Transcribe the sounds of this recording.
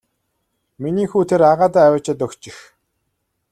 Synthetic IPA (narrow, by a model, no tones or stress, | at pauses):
miniːxuːt̪ʰeɾaʁaːt̪aːæwʊ̆t͡ɕɪ̆t̪ɵkt͡ɕɪ̆x